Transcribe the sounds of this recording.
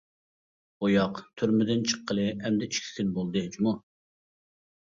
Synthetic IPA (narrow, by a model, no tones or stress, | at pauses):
ojɑqt̪ʰyɾmɪd̪ɪnt͡ʃʰə̥qʰːəlˠɨɛmd̪ɛiʃkʲʰi̥sɪnbolˠd̪ɨd͡ʒmu